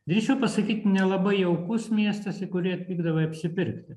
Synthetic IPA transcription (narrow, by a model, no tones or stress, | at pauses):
d̪ʲɾʲit͡ʃʲɛʊpɐsɐkʲiːt̪ʲnʲɛlˠɐbɐɪɛʊkʊsmʲiɛst̪ɐsɪkʊɾʲɪɐt̪ʲʋʲiːɡd̪ɐʋɐɐpʲsʲɪpʲɪɾʲkt̪ʲɪ